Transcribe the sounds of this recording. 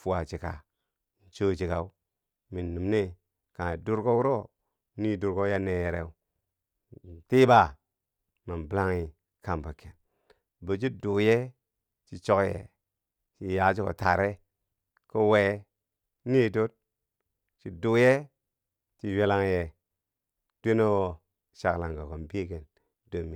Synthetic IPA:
fu˦˨a˨t͡ʃi˨ka̰˨ | n̩˨t͡ʃo˦d͡ʒi˨ka˨u˦ | mi˨nːu˨mne˦ | ka˨du˦ɾko˦wu˦ɾo˦ | ni˦du˨ɾɡo˦ja˦ne˨je˨ɾḛ˨u˦˨ | ti˦ba˦ | ma˨nbla˦ŋi˨ | ka˨mbə˨ke˨n | bə˨d͡ʒi˦do˨je˦ | t͡ʃi˨t͡ʃo˦kjḛ˨ | t͡ʃi˨ja˨˦d͡ʒu˦ko̰˨ta˨ɾe˦ | kə˦we˨˦ | ni˦do˦t̚ | t͡ʃi˨du˨je˦ | t͡ʃi˨we˦la˦ŋje˨ | d̥e˦no˦wo˨ | ʃa˨kla˨ŋɡa˨ko˨mbi˦ke˨n | do˨mːi˨

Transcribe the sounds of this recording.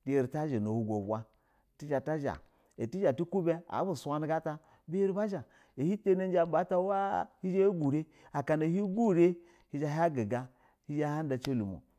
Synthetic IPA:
ti˨˦e˨ɾi˨ta˦ʒe˨no˨hu˨ɡo˨bʷa˦˨ | ti˦d͡ʒa˨ta˦ʒa̰˨ | e˨ti˦d͡ʒa˨ti˦ku˦be˦a̰˨˦bu˨sʷa˦ni˦ɡa˦ta˦ | be˦ɾi˦ba˦ʒa˨ | e˨hi˦te˦ne˦n˦d͡ʒa˦m˦ba˦ta˦wa˦hi˦d͡ʒa˦je˦ɡu˨ɾe˦ | a˨ka˨na˨hi˦ɡu˦ɾe˦ | hi˨d͡ʒa˦ɦa˦ɡi˨ɡa˦ | hi˦d͡ʒa˦ha˦n˦da˨t͡ʃe˦lu˨mṵ˨

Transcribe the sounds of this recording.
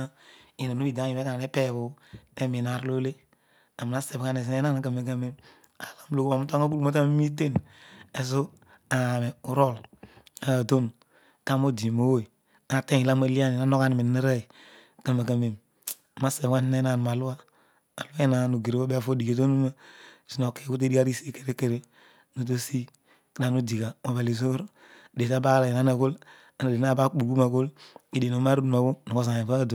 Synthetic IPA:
a˦i˨na˨nu˦bi˨da˨˦ji˨me˦ka˨ne˦pe˦˨bu˨e˦mi˨na˨ɾlo˦le˦ | a˨mi˨na˦se˨bka˦ne˨s̬i˨e˦na˦na˨kə˨me˨k̬a˦me˦m | a˨la˦m˦lo˨ku˦ma˨mu˦ta˦ŋa˦ku˦lu˦ma˦ta˦m˦mi˦t̬e˦n | e˨s̬u˦ | a˨me˨u˨ɾo˦˨la˨to˦n | ka˦mo˦di˨mo˦wo˦˨i˨ | a˨te˦˨i˨la˦ma˦li˦a˦ni˨na˦no˦ka˦ni˨mi˨ni˦ɾa˦˨i˨ | kə˦ma˨ka˨me˨m˨ | ma˦se˨wa˦ni˦na˦na˨n˨m˨a˨lu˦a˦ | a˨lu˦a˦i˦na˨nu˨ɡi˨ɾi˨˦o˦be˦a˦˨fo˦di˨ɡe˨t̬o˦nu˦ma˦˨si˦no˨ke˨˦ku˦t̬e˦di˦ka˦ɾi˦se˦ke˨ɾe˦ke˨ɾe˨ | nu˨t̬o˦si˦ | ki˦da˨nu˦di˨ka˨ma˨ba˨li˨zo˦ɾ | de˨ta˦ba˦la˨ji˨na˦na˦˨ku˦l | a˨n˨de˨n˦a˦ba˦bu˨ɡu˦ma˨ku˦li˨de˨no˨ma˦ɾu˦dma˨bu˦nu˨ko˦s̬a˨e˨ba˦˨do˨

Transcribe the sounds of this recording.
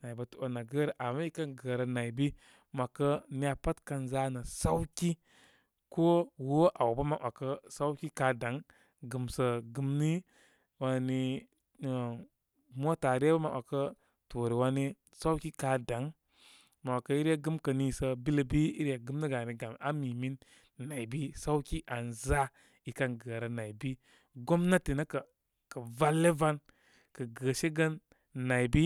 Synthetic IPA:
na˨bə˨to˨na˨ɡə˦ɾə˨ʔa˨ma˦i˦kə˦nɡə˨ɾə˨na˨i˨bi˦ | ma˨kə˦ni˦a˨pa˦tka˧nza˦nə˨sa˦wki˦ | ko˦wo˦ʔa˨wbə˦ma˨ʔa˨kə˦sa˦wki˦ka˦da˨˦ŋ | ɡɨ˨msə˨ɡɨ˧˦mni˦ | wa˧ni˧˨ | mo˦ta˨ɾe˦bə˦ma˨ʔa˨kə˦ | to˨ɾi˨wa˧ni˦ | sa˦wki˦ka˨da˨˦ŋ | ma˨wa˨kə˦i˦ɾja˦ɡɨ˦mkə˨ni˨sə˧bi˦lə˨bi˦ḭ˦ɾja˨ɡɨ˨˦mni˦ɡa˨ni˨ɡa˨ma˦miː˨mi˦nː | a˨i˨bi˦sa˦wki˦ʔa˨nza˦ | i˨ka˦nɡəː˨ɾa˨na˨i˨bi˦ | ɡo˦mna˦ti˨na˦kə˨ | kə˨va˦lːe˦va˦n | kə˨ɡəː˨ʃe˦ɡə˦nː | a˨jbi˦

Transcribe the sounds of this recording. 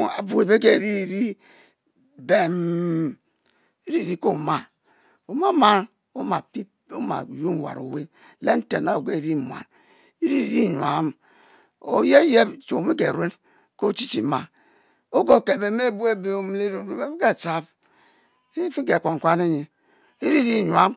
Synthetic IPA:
a˨bu˨e˨be˦ke˦˨ɾi˦˨ɾi˦ | be˨m | i˦ɾi˦˨ɾi˦ko˦˨ma˨ | o˨ma˦ma˦n | o˦ma˨pi˦p | o˦ma̰˨ju˦n˨wa̰˨ɾo̰˨we˦ | le˦n̩˦te˨na˨o˨ɡe˦˨ɾi˦˨m˨a̰˨n | i˦ɾi˦˨ɾi˦˨ɲ˨a̰˨˦m | o̰˨je˦je˦bt͡ʃo˨mi˦ɡe˨ɾwe˦n | ko˦˨t͡ʃi˦t͡ʃi˨ma˨ | o˦ɡo˨ke˨be˨me˦bu˦e˦be˦o˨m˦le˦ɾu˨ɾu˦be˦ke˨t͡ʃa˦b | fi˦ɡe˨kʷo˨ŋ˨kʷa˦ne˦ɲe˨ | i˦ɾi˦ɾi˦˨ɲʷ˨a˦m

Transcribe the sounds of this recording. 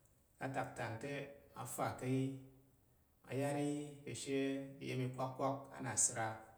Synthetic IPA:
ka˨ta˨k̚ta˨nte˦a̰˨fa˨ka˦i˦ | a̰˨ja˦ɾi˦ke˨ʃe˦i˨˦je˦mi˧kʷa˦kkːʷa˦k̚a̰˦na˨sɨ˨ɾa˧

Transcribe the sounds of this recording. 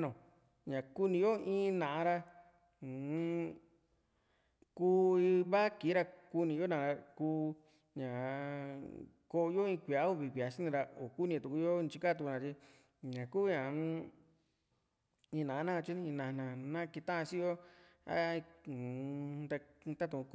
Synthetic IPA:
nõ˨ | ɲã˨ku˦nĩ˧jo˦ĩː˦nã˨ʔã˧ɾa˧˨˦ | kuː˦i˧βa˦ki˨˦ɾa˧ku˦nĩ˧jo˦nã˨ɾa˧kuː˦˧ | ɲã˨ | ko˧˦o˧jo˦ĩ˧kʷi˨a˦u˦˧βi˨kʷi˨a˨˧ʃi˦nĩ˧ɾa˧o˨ku˦nĩ˧˨t̪u˧ku˧jo˦˧t͡ʃi˧ka˦t̪u˧nã˧t͡ʃi˧ | ɲã˨kuː˦ɲã˨˦ | ĩː˧nã˨ʔnã˦˧t͡ʃi˦˧ĩ˧nã˧˨nã˨nã˦ki˧t̪ã˦ʔã˧t͡ʃi˦jo˦a̰˦˧ĩ˧ | t̪a˧t̪a˦t̪̬ũ˨˧

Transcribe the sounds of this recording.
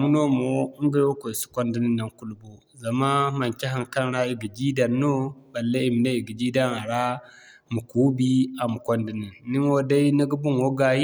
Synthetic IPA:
mu˦no˦mo˦ŋ˦ɡi˦jwo˦ko˨si̥˦kʷo˦ndi˦ni˦nːa˨ŋku˦lbo˦ | za˨ma˦ma˨nt͡ʃa˦ɦa˨ŋka˦n˦ɾa˦i˨ɡi˨d͡ʒi˦da˨nːo˦ba˨lːa˦i˨mi˨na˦i˨ɡi˨d͡ʒi˦da˦na˨ɾa˦ | mu˨ku˦bi˦a˨mu˨kʷo˦ndi˨ni˨nːi˦n˦wo˦da˦i˦nə˦ɡu˦bu˦ŋwo˦ɡa˨ji˦

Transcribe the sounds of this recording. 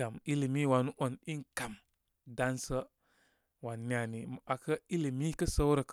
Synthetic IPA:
a˨mi˦li˨mi˦wa˨nu˦ʔo˨ni˦ŋ˨ka˨m | da˦nsə˦ | wa˨nːi˦a˨ni˨m˨a˨kə˦i˦li˨mi˦kə˦sə˦wɾə˨k

